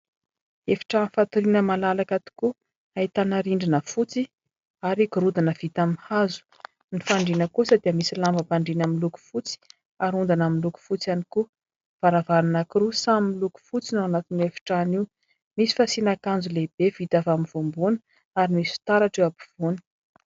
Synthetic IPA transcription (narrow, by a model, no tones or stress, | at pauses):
efi̥ʈ͡ʂanifat̪uɾinəmalalakat̪i̥ku | ait̪anaɾiɳɖ͡ʐinəfut͡si | aɾikuɾud̪anəv̥it̪amihazu̥ | nifaɳɖ͡ʐinəkusad̪iəmisilambəpaɳɖ͡ʐinamiluku̥fut͡si̥ | aɾund̪anaminluku̥fut͡sjaniku | v̥aɾavaɾunakiɾusamimiluku̥fut͡sinawanat̪inefi̥ʈ͡ʂaniw | misi̥fasinakand͡zuleb̥ev̥it̪avaminv̥ombunə̥ | aɾimisu̥t̪aɾaʈ͡ʂewabi̥v̥uni̥